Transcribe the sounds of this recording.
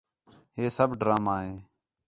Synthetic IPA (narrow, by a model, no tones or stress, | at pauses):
ɦeːsəbɖɾaːmaːɦeː